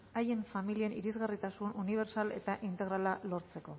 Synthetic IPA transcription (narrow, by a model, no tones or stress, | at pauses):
aje̞ɱfamilie̞niɾizɣarit̪asununiβ̞e̞ɾsale̞̰t̪aʔint̪e̞ɣɾalalo̞ɾt͡se̞ko̞